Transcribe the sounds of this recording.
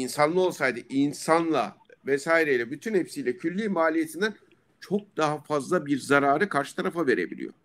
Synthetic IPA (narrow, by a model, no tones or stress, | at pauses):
insanlˠɯo̞lˠsajd̪ɯʔinsanlˠa̰vɛsaːjiɾejlʲɛbyt̪ʰynhe̞psijlʲɛcʰylʲːiːmaːlʲije̞t̪ʰind̪æn | t͡ʃʰo̞k̚d̪aɦafazlˠabiɾzaɾaːɾɯkʰaɾʃɯ̥t̪ʰaɾafave̞ɾe̞bḭlʲḭjo̞̰